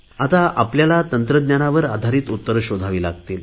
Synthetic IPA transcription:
at̪aapljalat̪ənt̪ɾəd̪njanaʋəɾad̪ʱaɾiːt̪ut̪ːəɾɕod̪ʱaʋiːlaɡ̚t̪iːl

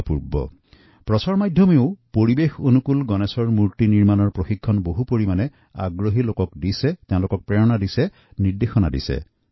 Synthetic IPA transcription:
puɹbɔ̰ | pɹɔsɔɹmajdʱjɔmeʊpoɹibexonukulɡɔnɛsɔɹmuɹtiniɹmanɔɹpɹoxikʰːɔnboɦupoɹimanɛ | a̰ɡɹoɦilokɔkdisɛtɛ̃ʊ̃lʊkɔk̚pɹɛɹɔnadisɛ | niɹdexɔna̰dḭsɛ̰

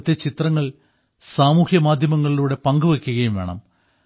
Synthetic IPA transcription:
t̪ːe̞t͡ɕit̪rɐŋːɐɭ | saːmuːhjɐmaːd̪ʱjɐmɐŋːɐɭiluːɽe̞pɐŋɡuʋekʲːuɣɐjumʋe̞ːɳɐ̰m

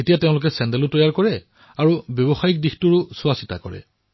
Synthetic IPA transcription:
etijatɛʊ̃lʊkɛsɛndɛlʊtɔjaɹkɔɹɛ | aɹubjɔbɔxajik̚dixtuɹʊsuasi̥ta̰kɔ̰ɹɛ̰

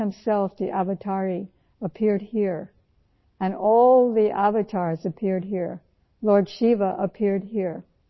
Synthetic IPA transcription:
ɨ̃msɛlˠfðiʔævɨtʰɑɹi | əpʰɪɹd̚hiɹ | ɨ̃nɔlˠðiʔævɨtʰɑɹzɨpʰɪɹd̚ɦiɹ | lɔɹdʃivəʔəpʰɪɹd̚hiɹ

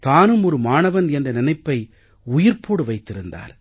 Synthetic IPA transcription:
t̪aːnɯmɔɾɯmaːnɐʋɐnɛndɐnɪnɐɪpːɐɪ | ʊjɪɾpʰoːɽɯʋɐɪt̪ːɪɾɯnd̪a̰ːɾ

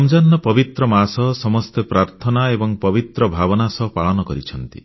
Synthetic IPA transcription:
md͡ʒanːɔpɔbit̪ɾɔmasɔsɔmɔst̪epɾaɾt̪ʰɔnaebɔŋpɔbit̪ɾɔbʱabɔnasɔpaɭɔnɔkɔɾit͡ʃʰɔnt̪ḭ

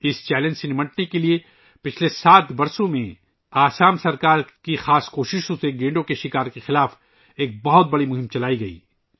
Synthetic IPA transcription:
ɪst͡ʃɛːlə̃nd͡ʒsenɪmɐʈnekelie | pɪt͡ʃʰlesaːt̪bɐɾsõmẽ | aːsaːmsɐɾkaːɾkixaːskoːʃɪʃõseɡẽːɳɖõkeʃɪkaːɾkexɪlaːf | eːk̚bɐɦʊt̪̚bɐɽimʊɦɪ̃mt͡ʃɐlaːiɡɐḭː

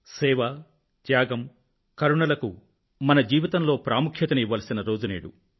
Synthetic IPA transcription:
sɛːʋɐ | t̪jaːɡɐm | kɐɾuɳɐlɐkṵ | mɐnɐd͡ʒiːʋit̪ɐmlo̞ːpɾaːmukʰjɐt̪ɐniʋːɐːlɐsinɐɾo̞ːd͡ʒunḛːɽṵ

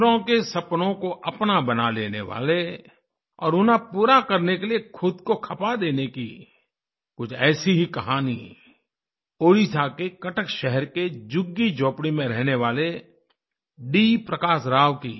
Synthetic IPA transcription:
ɾõkesɐpnõkoʔɐpnabɐnaleːnḛʋa̰ːle | ɔ̰ːɾʊnapuːɾakɐɾnekeliekʰʊd̪kokʰɐpad̪eːnekḭ | kʊt͡ʃʰɛːsiɦikɐɦaːni | oːɾisakekɐʈəkʃɛɦəɾked͡ʒʊɡːid͡ʒoːpɽimẽɾɛɦneʋaːle | ɖipɾəkaːsɾaːʋkiː

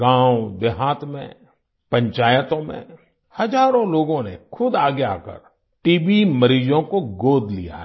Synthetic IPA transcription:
ɡãːʊd̪eɦaːt̪mḛ̃ | pə̃ɲt͡ʃaːjət̪õmḛ̃ | hɐzaːɾõloːɡõnḛkʰʊd̪aːɡea̰ːkə̰ɾ | ʈiːbiməɾiːd͡ʒõkoɡoːd̪ʱlḭja̰

